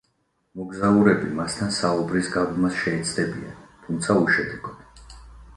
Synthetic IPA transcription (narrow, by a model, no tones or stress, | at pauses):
mɔɡzauɾɛbimast̪ʰansaubɾisɡaɡmasʃɛɛt̪sʰd̪ɛbia̰nt̪ʰumt̪sʰauʃɛd̪ʰɛɡɔd̪